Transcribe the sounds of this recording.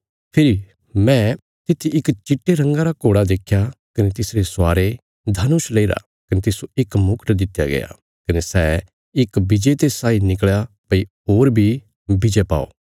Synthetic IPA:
pʰɪɾi | mɛ̃ | t̪ɪt̪ʰiɪkt͡ʃɪʈːeɾɐ̃ŋɡaɾakoːɽad̪eːkʰjakɐnet̪ɪsɾeswaːɾe | d̪ʱɐnʊʃleiɾa̰ | kɐnet̪ɪsoɪkmʊkʈd̪ɪt̪ːja̰ɡɐ̰ja̰ | kɐnesɛː | ɪkbɪd͡ʒet̪esaːinɪkɭja | pɐi | oːɾbʱi | bʱɪd͡ʒepa̰ːo̰ː

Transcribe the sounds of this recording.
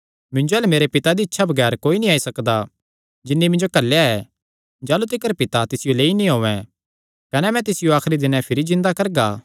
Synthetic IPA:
mɪ̃ɲd͡ʒoɛːlɛmeːɾepɪt̪ad̪iɪtːʃʰabʱɐɡɛːɾkoːinĩaːisɐkd̪a | d͡ʒɪnːimɪ̃nd͡ʒokɐlːejaɛː | d͡ʒaːlut̪ɪkəɾpɪt̪at̪ɪsɪjoleːinĩɦoːʋɛ̃ | kɐnɛmɛ̃t̪ɪsɪjoaːxɾid̪ɪnɛ̃pʰɪɾizɪ̃nd̪akɐɾɡaː

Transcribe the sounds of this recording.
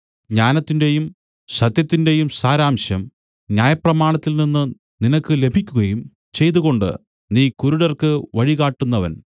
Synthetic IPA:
ɲaːnɐt̪ːinde̞jum | ɕɐt̪jɐt̪ːinde̞jumsaːɾaːmɕjɐm | njaːjɐprɐmaːɳɐt̪ːilninːɨ | ninɐkːɨle̞bʱikʲːuɣɐjum | t͡ɕe̞jt̪uɣo̞ɳɖɨ̰ | niːkuɾuɽɐrkɨʋɐɻiɣaːʈːunːɐʋɐ̰n

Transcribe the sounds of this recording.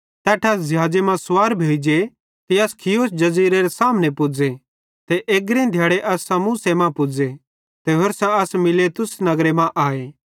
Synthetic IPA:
t̪ɛːʈʰasd͡ʒɐɦaːd͡ʒemãsʊwaːɾbʱeːd͡ʒe | t̪iɐskʰɪjoːsd͡ʒɐziːɾeɾesaːmnepʊd͡ze | t̪eʔeːɡɾẽd̪ʱjaːɽeʔɐsːãmusemãpʊd͡ze | t̪eɦoɾsãɐsmɪlet̪ʊsnɐɡɾemãʔaːeː

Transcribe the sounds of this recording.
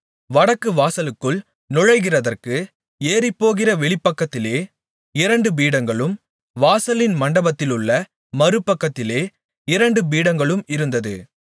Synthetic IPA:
ʋɐɽɐkːɯʋaːsɐlɯkːɯɭ | nʊɻɐɪɣɪrɐðɐrkɯ | eːrɪpːoːɣɪrɐʋɛɭɪpːɐkːɐt̪ːɪleː | ɪɾɐɳɖɯbiːɽɐŋɡɐɭɯm | ʋaːsɐlɪnmɐɳɖɐbɐt̪ːɪlɯɭːɐ | mɐɾɯpːɐkːɐt̪ːɪleː | ɪɾɐɳɖɯbiːɽɐŋɡɐɭɯmɪɾɯnd̪ɐðɯ̰

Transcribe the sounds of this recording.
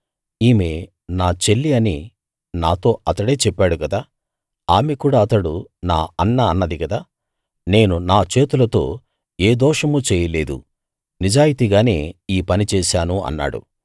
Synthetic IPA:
iːme̞ː | naːt͡ʃe̞lːiɐni | naːt̪o̞ːɐt̪ɐɽe̞ːt͡ʃɛpːaːɽukɐd̪aː | aːmekuːɽaːɐt̪ɐɽunaːɐnːaɐnːɐd̪ikɐd̪aː | ne̞ːnunaːt͡ʃeːt̪ulɐt̪o̞ː | eːd̪ɔːʂɐmut͡ʃɛːjɐle̞ːd̪ṵ | nid͡ʒaːjit̪iɡaːne̞̰ːiːpɐnit͡ʃɛːʃaːnuɐ̰nːa̰ːɽṵ

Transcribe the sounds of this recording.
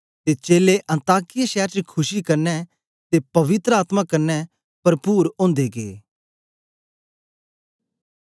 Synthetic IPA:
t̪et͡ʃeːleʔɐ̃nt̪aːkɪjaʃɛːɾt͡ʃkʰʊʃikɐɾnɛ | t̪epɐʋɪt̪ɾəaːt̪makɐɾnɛ | pɐɾpuːɾõːnd̪eɡḛː

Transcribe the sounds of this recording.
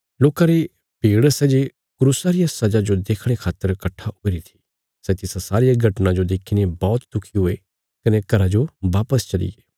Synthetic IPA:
loːkaɾe | b̥ʱiːɽsɛd͡ʒe | kɾusaɾɪjasɐd͡ʒad͡ʒod̪eːkʰɽ̃ekʰaːt̪ːəɾkɐʈʰːaoːiɾit̪ʰi̥ | sɛt̪ɪsasaːɾɪjaɡʱɐʈnãd͡ʒod̪eːkʰinebɔːt̪d̪ʊkʰiɦʊe | kɐnekɐɾad͡ʒoʋaːpəst͡ʃɐlɪ̰eː

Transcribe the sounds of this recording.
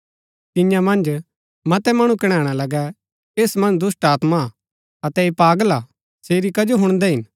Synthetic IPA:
t̪ɪ̃jãmɐ̃nd͡ʒ | mɐt̪ɛmɐɽ̃ũkɪɽ̃ɛ̃ːɽ̃alɐɡɛ | eːsmɐ̃nd͡ʒd̪ʊsʈaːt̪ma | ɐt̪ɛeːpaːɡəla | seːɾikɐd͡ʒoɦʊɽ̃d̪ɛɦɪn

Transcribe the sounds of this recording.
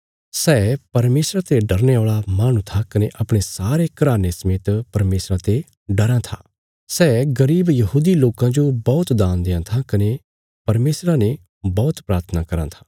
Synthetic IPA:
sɛːpɐɾmeːsɾat̪eɖɐɾneɔːɭamaːɽ̃ũt̪ʰakɐneʔɐpɽ̃esaːɾekɐɾaːnesɐmeːt̪pɐɾmeːsɾat̪e | ɖɐɾãt̪ʰa̰ː | sɛːɡɐɾiːbjɐɦuːd̪iloːkãd͡ʒobɔːʊt̪d̪aːnd̪eãt̪ʰãkɐne | pɐɾmeːsɾane | bɔːt̪pɾaːɾt̪ʰənakɐɾã̰t̪ʰḁː

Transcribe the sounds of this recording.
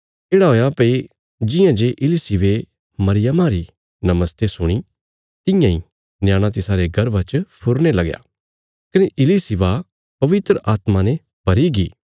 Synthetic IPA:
eːɽaɦoːjapɐi | d͡ʒɪ̃jãd͡ʒeʔɪlisɪʋe | mɐɾɪjəmaɾi | nɐməst̪esʊɽ̃i | t̪ɪ̃jãĩ | njãːɽ̃ãt̪̬ɪsaːɾeɡɐɾʋat͡ʃəpʰʊɾñelɐɡja̰ː | kɐneʔɪlisɪʋa | pɐʋɪt̪ɾəʔaːt̪manẽ | bɐɾiɡiː

